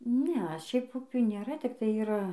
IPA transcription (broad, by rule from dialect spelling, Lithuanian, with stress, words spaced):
ˈnʲɛ ˈʃʲɛɪp ˈʊpʲuː nʲeːˈrɐ tʲɪkˈtɐɪ iːˈrɐ